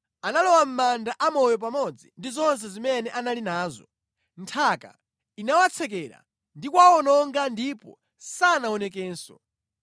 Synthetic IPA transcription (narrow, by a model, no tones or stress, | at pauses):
analɔwam̩mandaʔamɔjɔp̬amɔd͡zindizɔns̬ɛzimɛnɛʔanalinaːzɔ̰ | ntʰaka̰ | inawat͡sʰɛk̬ɛɾa̰ | ndikwaɔnɔŋɡandipɔ̰ | sanaɔnɛkɛːnsɔ̰